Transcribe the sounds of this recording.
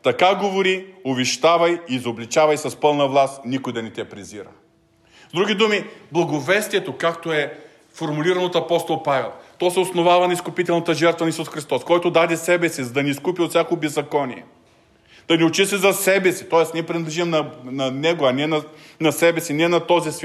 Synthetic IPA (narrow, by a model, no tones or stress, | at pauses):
t̪ɐkaɡovoɾiovɛʃt̪avɐjiːzoblit͡ʃavɐjsɐspɤlˠnɐvlˠasnikojd̪ɐnɛt̪ʲɐpɾɛziɾə̰ | zd̪ɾuɡʲid̪umiblˠɐɡovɛst̪iɛt̪okak̚t̪oɛ | foɾmuliɾɐnot̪ɐpɔst̪olˠpavɛlˠt̪ɔsɛosnovavɐnɐiskʊpit̪ɛlˠnɐt̪əʒɛɾt̪vɐnɐisusxɾist̪ɔskɔjt̪od̪ad̪ɛsɛbɛsizɐd̪ɐniːskupiot̪sʲjakobɛzːɐkɔniɛ̰ | d̪̥ɐniot͡ʃist̪ɛzɐsɛbɛsit̪ɔɛsnɛpɾinɐd̪lɛʒimnɐnɐnɛɡoɐnɛnɐ | nɐsɛbɛsinɛnɐt̪ɔzisvʲ